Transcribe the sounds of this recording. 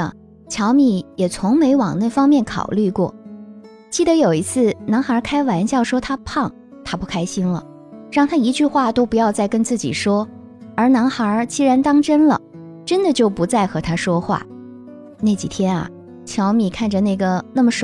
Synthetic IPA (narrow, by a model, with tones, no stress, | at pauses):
t͡ɕʰjɑ˧˥ʊmi˧˨˩jɛ˨˩t͡sʰʊ˧˥ŋme˧˥ɪwɑ˨˩ŋna˥˩fɑ˥ŋmjɛ˥˩nkʰɑ̰˨˩ʊly˥˧kwɔ̰˥˩ | t͡ɕi˥˩d̪ə˧˥jo˨˩ʊi˧˥t͡sʰɹ̩˥˩na˧˥ŋxa˞˧˥kʰa˥ɪwa˧˥nɕjɑ˥˩ʊʂwɔ˥t̪ʰa˥pʰɑ˥˩ŋ | t̪ʰa˥pu˥˩kʰa˥ɪɕi˥nlə̰˨ | ɻɑ˥˩ŋt̪ʰa˥i˧˥t͡ɕy˥˧xwa˥˩t̪o˥ʊpu˧˥jɑ˥˧ʊt͡sa˥˩ɪkə˥nt͡sɹ̩˥˩t͡ɕḭ˨˩ʂwɔ˥ | ə˞˧˥na˧˥ŋxə˧˥t͡ɕi˥ɻa˧˥nt̪ɑ˥ŋʈ͡ʂə˥nlə̰˨ | ʈ͡ʂə˥nd̪ə˨t͡ɕjo˥˩ʊpu˧˥t͡sa˥˩ɪxɤ˧˥t̪ʰa˥ʂwɔ˥xwa̰˥˩ | ne˥˩ɪt͡ɕḭ˨˩t̪ʰjɛ˥nɐ̰˨ | t͡ɕʰjɑ˧˥ʊmi˨˩kʰa˥˩nʈ͡ʂə˩na˥˩ɡə˩na˥˩mə˩ʂ